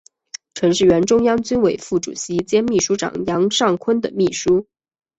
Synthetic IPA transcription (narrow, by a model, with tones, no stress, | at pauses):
ʈ͡ʂʰɤ˧˥ŋʂɻ̩˥˩ɥɛ˧˥nʈ͡ʂʊ˥ŋjɑ˥ŋt͡ɕy˥nwe˨˩ɪfu˥˩ʈ͡ʂṵ˨˩ɕi˧˥t͡ɕjɛ˥nmi˥˩ʂu˥ʈ͡ʂɑ̰˨˩ŋjɑ˧˥ŋʂɑ˥˩ŋkʰwə˥nd̪ə˨mi˥˩ʂu˥